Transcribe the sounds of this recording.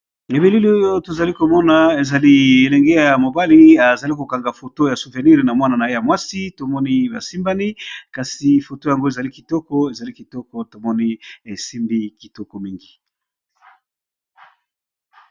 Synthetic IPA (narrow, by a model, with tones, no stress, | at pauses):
e˨be˨li˦li˨˦o˦jo˦to˨za˨li˦ko˨mɔ˦na˨e˨za˨li˦e˨lɛ˨ŋɡe˦ja˨mo˨ba˦li˦a˨za˨li˦ko˨ka˨ŋɡa˨fo˨to˦ja˨su˨ve˨ni˦ʁe˨na˨mwa˦na˨na˨je˦ja˨mwa˦si˦to˨mɔ˦ni˦ba˨si˦mba˦ni˦ka˨si˨fo˨to˦ja˨ŋɡo˦e˨za˨li˦ki˨tɔ˦kɔ˦e˨za˨li˦ki˨tɔ˦kɔ˦to˨mɔ˦ni˦e˨si˦mbi˦ki˨tɔ˦kɔ˨mi˦ŋɡi˨